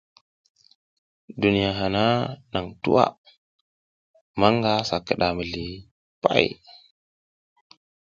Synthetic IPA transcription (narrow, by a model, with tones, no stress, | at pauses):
du˨ni˨ja˨ɦa˨na˦na˨ŋtṵ˦wa̰˦ | ma˦ŋɡa˦sa˨kːə˨ɗa˨mə˨li˨ | pa̰˦j